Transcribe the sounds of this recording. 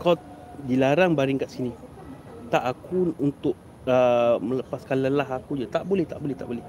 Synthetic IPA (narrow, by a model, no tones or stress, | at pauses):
ka | dilaɾaŋbaɾiŋkaʔsinĩ | t̪aʔakuunt̪ʊʔ | əmələpaskalalaɦakud͡ʒat̪aʔbolɛht̪a̰ʔbolɛht̪aʔbolɛh